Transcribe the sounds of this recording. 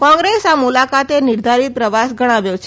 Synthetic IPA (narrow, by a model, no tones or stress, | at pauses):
kɔ̃ŋɡɾesamulakat̪enɪɾd̪ʱaɾipɾəʋasɡʱəɽ̃aʋjot͡ʃʰ